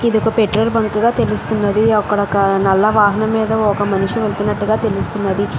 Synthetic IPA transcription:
id̪iɔkɐpeʈɾɐɾbɐŋkuɡaːt̪e̞lust̪unːɐd̪iɐkːɐɽɐkɐnɐlːɐʋaːɦɐnɐmːiːd̪ɐɔkɐmɐnuʂiʋeɭt̪unːɐʈːuɡaːt̪e̞lust̪unːɐd̪i

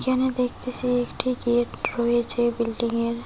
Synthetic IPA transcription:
kɛned̪ekʰt̪esʰiekʈʰiɡeʈɾoet͡ɕʰebilɖiŋeɾ

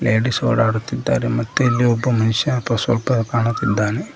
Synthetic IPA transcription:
leːɽiso̰ːɽaːɽut̪ːid̪ːa̰ːɾemɐt̪ːɐilːiɔbːɐmɐnɪʂjɐ̃ɐpːɐsʋɐ̰lpɐkaːɳɐt̪ːid̪ːaːne

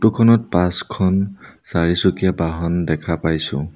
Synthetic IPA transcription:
tukʰɔnɔt̚pãskʰɔnsaɹisukiabaɦɔndɛkʰapajsʊ̰̃

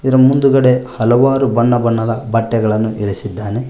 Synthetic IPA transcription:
iɾɐmund̪uɡɐɽe̞hɐlɐʋaːɾubɐɳːɐbɐɳːɐd̪ɐbɐʈːɛɡɐɭɐnːuʔiɾisid̪ːaːne

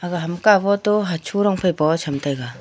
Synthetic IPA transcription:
aɡaɦamkabɔtɔɦat͡ʃʰuɾɔŋpʰajbɔt͡ʃʰamtajɡa

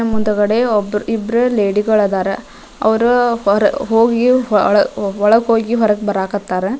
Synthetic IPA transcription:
ɐmund̪ɐɡɐɽeɔbɾibɾeleːɖiɡɐɭɐd̪aːɾe | ɐ̰ʋɐɾuɾɐɦoːɡiɭɐɔɭɐɡɦoːɡiɦɔɾɐɡbɐɾaːkɐt̪ːaːɾe

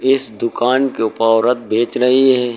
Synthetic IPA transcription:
ɪsd̪ʊkaːnkeʊpaːwɾət̪̚bʱeːt͡ʃɾɐɦiɦɛː

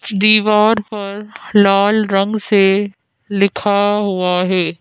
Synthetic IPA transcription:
d̪iːʋaːɾpɐɾlaːlɾɐ̃ŋɡse | lɪkʰaɦuaɦɛː

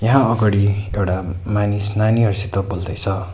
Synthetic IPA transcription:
jʌɦãʌɡʌɽiewʈamanisnaniɦʌɾsit̪ʌbold̪ʌjt͡sʰʌ

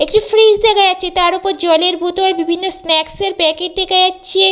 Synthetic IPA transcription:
ekʈifɾisd̪ekʰaatːɕʰet̪aɾupoɾd͡ʑɔjleɾbut̪oɾbibʱinːosnɛkseɾbɛkeʈ̚d̪ekʰajatːɕʰe

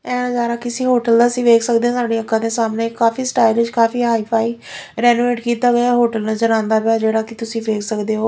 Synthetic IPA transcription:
ɛ̃ːazaːɾaːkɪsĩːɦoːʈəld̪aːsĩːʋeːksək̚d̪ẽːsaːɖeːəkːãːd̪eːsaːmnẽːkːaːfiːsʈaːɪlɪt͡ʃkaːfiːɦaːiːpʰaːiːɾɛːnuːeːʈkiːt̪aːɡəjaːɦoːʈəlnazəɾãːnd̪aːpaːd͡ʒeːɽaːkɪt̪ʊsĩːʋeːksəkd̪eːɦoː

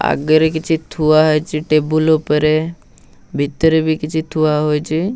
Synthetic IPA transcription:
a̰ɡəɾekɪt͡ʃʰit̪ʰuaɦojt͡ʃiʈebulopəɾe | bʱit̪əɾebʱikɪt͡ʃʰit̪ʰuaɦojt͡ʃʰi

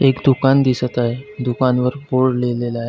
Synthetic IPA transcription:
ekd̪ukand̪isət̪aɦed̪ukanʋəɾboɽlelelae

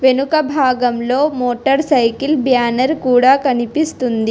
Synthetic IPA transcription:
ʋenukɐbʱaːɡɐmlo̞ːmoːʈɐɾsɐjkilbjaːnɐɾkuːɽaːkɐnipist̪und̪i

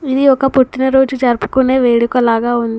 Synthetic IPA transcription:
id̪iɔkɐpoʈːinɐɾo̞ːd͡ʒud͡ʒɐɾpu̥kune̞ːʋeːɽukɐlaːɡaːund̪i

